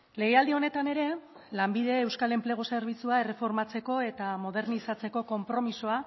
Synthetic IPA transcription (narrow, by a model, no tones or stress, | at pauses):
le̞ɣeald̪io̞ne̞t̪ane̞ɾe̞ | lambiðe̞ːwskale̞mpleɣ̞o̞seɾβ̞it͡suaere̞fo̞ɾmat͡se̞ko̞e̞t̪amo̞ð̞e̞ɾnisat͡se̞ko̞ko̞mpɾo̞miso̞a